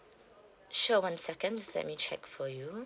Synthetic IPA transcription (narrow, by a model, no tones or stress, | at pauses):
ʃowãnsɛkə̃ndlɛ̰t̚mit͡ʃʰɛ̰kfɔju